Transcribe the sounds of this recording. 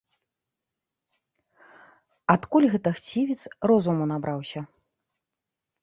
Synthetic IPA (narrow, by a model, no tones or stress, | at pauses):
at̪kulʲɣɛt̪ɐxt͡sʲivʲit̪srɔzumunabɾawsʲɐ